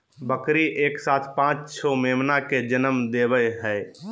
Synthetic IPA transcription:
bəkɾiʔeːksaːt̪ʰpãːt͡ʃsʰɔmeːmnaked͡ʒənəmd̪eːbəjɦɛː

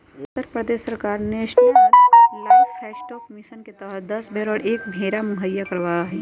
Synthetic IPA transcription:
ʊt̪ːəɾpɾəd̪eːʃəɾkaːɾneʃ | laːfʰɛːsʈoːkmɪʃənket̪əɦəd̪ɐsbʱeɾoːɽeːkbʱeːɾamʊɦəjːakɐɾʋaːjaɦɛː

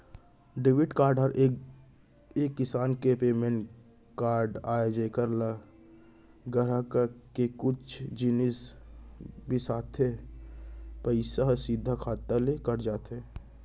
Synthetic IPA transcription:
ɖɪʋɪʈkaːɾɖʱɦəɾʔe | eːkːɪsaːnkepeːmẽɳʈ | kaːɾɖaːed͡ʒeːkəɾlə | ɡəɾəkkekʊt͡ʃʰd͡ʒinis | bʱisaːt̪ʰe | pəɪsaɦsid̪ʱːakʰaːt̪alekəɾd͡ʒaːt̪eː

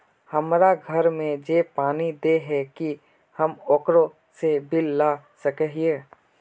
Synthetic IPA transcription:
həmɾaɡʱəɾmẽd͡ʒepaːnid̪eɦɛki | həmɔːkɾõ | sebɪlːasəkɛɦieː

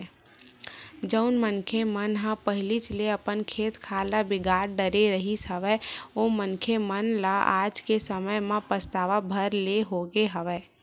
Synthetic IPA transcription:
d͡ʒəʊnmənkʰemənɦãpəɦɪlit͡ʃleəpənkʰeːt̪kʰalabɪɡaːɾɖəɾeɾəɦisəʋɛomənkʰemənlaʔa̰ːd͡ʒkesəməjmẽpəst̪aːʋabʱəɾleɦoɡeɦəʋɛː

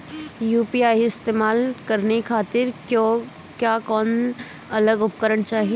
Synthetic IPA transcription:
juːpiaːiɪst̪eːmaːlkɐɾnikʰaːt̪ɪɾkjõ | kjaːkɔːn | ɐləɡʊp̚kəɾəɳt͡ʃaːɦi

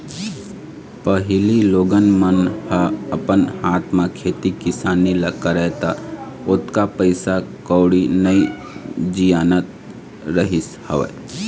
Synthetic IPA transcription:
pəɦɪliloːɡənmənhəɐpənhaːt̪ʰmãkʰeːt̪ikɪsaːniləkaɾɛt̪a | ʊt̪kapəɪsakɔwɽinəi | d͡ʒijaːnət̪̚ | ɾəɦɪshəʋḛ

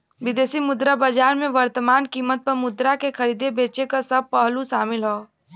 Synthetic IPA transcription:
ʋɪd̪eːsimʊd̪ɾabad͡ʒaːɾmẽʋəɾt̪əmaːnkiːmːət̪̚pɐɾmʊd̪ɾakexʰɐɾiːd̪ebeːt͡ʃekasɐb̚pəɦluʃaːmɪlɦoː

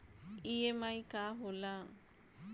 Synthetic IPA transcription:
ijemaikaɦola

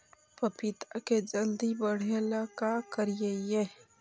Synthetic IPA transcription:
pəpɪt̪aked͡ʒəld̪ibəɽ̤elakakəɾijeje

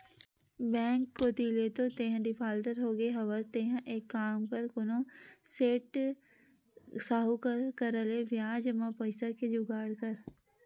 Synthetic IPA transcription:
bɛ̃ːŋkːot̪ileːt̪ot̪eːɦɖɪpʰaːlʈəɾɦoːɡeɦɐʋət̪eːɦʔeːkːaːmpəɾkʊnõseːʈ | saːɦukəkəɾəleʋjaːd͡ʒəmãpəɪsaked͡ʒʊɡaːɽkəɾ

